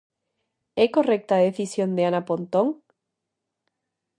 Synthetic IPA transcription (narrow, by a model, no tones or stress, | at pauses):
eko̞rek̚t̪aðeθisjo̞nd̪eanapont̪oŋ